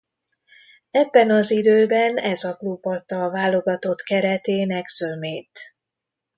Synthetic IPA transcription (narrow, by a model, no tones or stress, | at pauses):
ɛbːɛnɒzid̪øːbɛnɛzɒklubːɒt̪ːɒːvaːlo̞ɡɒt̪o̞t̪kɛɾɛt̪eːnɛɡz̥ømeːt̪